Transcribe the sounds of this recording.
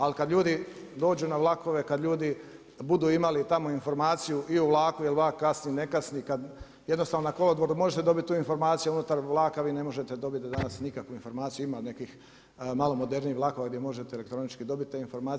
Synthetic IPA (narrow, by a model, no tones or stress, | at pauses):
alkad̪ʎuːd̪i | d̪o̞ːd͡ʑunaʋlˠako̞ʋe̞kad̪lʎuːd̪i | bud̪uːimalit̪amo̞info̞ɾmaːt̪sijuʔiuʋlˠaːkujelʋakːasnine̞kasnikad̪ | je̞d̪nost̪aʋnonako̞lod̪ʋoɾumo̞ʒet̪ed̪o̞bit̪̚ʲt̪ːuːinfo̞ɾmaːt̪sijuunut̪aɾʋlˠaːkaʋiːne̞mo̞ʒe̞t̪ed̪o̞bit̪d̪d̪anasnikakʋuinfo̞ɾmaːt̪sijuimane̞kix | maːlo̞mo̞d̪e̞ɾniːʋlaːkoʋaɡd̪ʲjemo̞ʒet̪eele̞k̚t̪ɾo̞nit͡ʃkid̪o̞bit̪̚ːt̪ːeinfo̞ɾmaː